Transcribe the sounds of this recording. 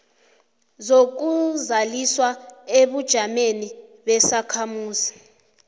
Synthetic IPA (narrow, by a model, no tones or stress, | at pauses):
zok̬uzaliswaeɓud̥ʒ̥ʱameniɓɛsakʰamuːsi̥